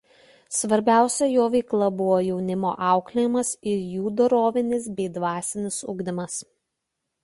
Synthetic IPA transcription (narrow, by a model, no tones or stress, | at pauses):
sʋɐɾʲbʲæˑʊsʲɛjoːʋʲɛɪklˠɐbʊʋoːjɛʊnʲɪmo̰ːʔɑˑʊklʲɪjɪmɐsɪɾjuːd̪oɾoːʋʲɪnʲɪs̬bʲɛɪd̪ʋɑːsʲɪnʲɪsʊɡd̪ʲɪmɐs